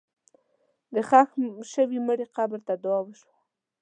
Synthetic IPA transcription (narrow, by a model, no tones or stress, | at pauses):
d̪əxaxʃəwiməɽiqabəɾt̪ad̪wɑwəʃwa